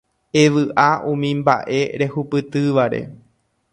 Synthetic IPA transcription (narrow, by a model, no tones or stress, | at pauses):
eʋɨʔaʔũmĩmba̰ʔe̞ɾe̞hupɨt̪ɨʋaɾe̞̰